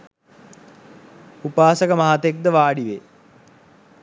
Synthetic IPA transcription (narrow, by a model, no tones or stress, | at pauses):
upaːsəkəmaɦat̪ek̚d̪əʋaːɖiʋe